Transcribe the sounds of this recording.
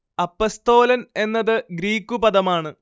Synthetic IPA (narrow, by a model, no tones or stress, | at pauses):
ɐpːost̪o̞ːlɐne̞nːɐðɨɡɾiːkːupɐðɐmaːɳɨ